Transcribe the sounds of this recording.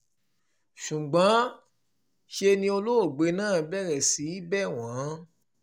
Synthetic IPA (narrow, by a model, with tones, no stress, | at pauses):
ʃu˨ɡ͡bã˨˦ | ʃe˧nĩ˧o˧lo˦o˦˨ɡ͡be˨˧˦nãː˦˨bɛ˦˨ɾɛ˨si˨˦bɛ˦˨w̃ã˨˦